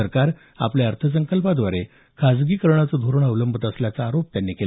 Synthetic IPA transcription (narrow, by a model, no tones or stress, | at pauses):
əɾkaɾ | a̰pljaəɾt̪ʰəs̬əŋkəlpad̪ʋaɾe | kʰad͡zɡiːkəɾɳ̃at͡səd̪ʱuɾəɳəʋləmbʱət̪əsljat͡saːɾop̚t̪janːikel